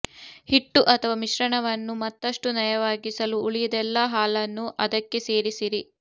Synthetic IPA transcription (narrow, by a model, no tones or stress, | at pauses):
hiʈːuʔɐt̪ʰɐʋaːmiʃɾɐɳɐʋɐnːumɐt̪ːɐʂʈunɐjɐʋaːɡisɐluːɭijɐd̪ɛlːɐɦaːlɐnːuʔɐd̪ɐkːe̞se̞ːɾisiɾi